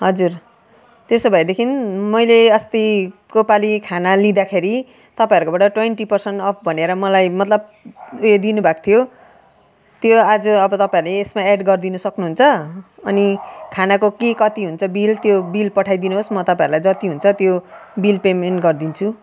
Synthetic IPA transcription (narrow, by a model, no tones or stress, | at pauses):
ɦʌd͡zur | t̪esobʱʌjd̪ekʰinmʌjleʌst̪ikopalikʰanalid̪akʰeɾi | t̪ʌpãjʌɾukobaʈʌʈweɳʈipʌrsʌnʈʌpʰbʱʌneɾʌmʌlajmʌt̪lʌb̚ | ujed̪inubʱak̚t̪ʰijo | t̪joad͡zʌʌbʌt̪ʌpãiɾuleːsmaeɖɡʌrd̪inʌsʌknuɦunt͡sʰʌ | ʌnikʰanakokekʌt̪iɦunt͡sʰʌbilt̪jobilpʌʈʰajd̪inuɦosmʌt̪ʌpãjʌɾulajd͡zʌt̪iɦunt͡sʰʌt̪jobilpemenɡʌrd̪int͡sʰu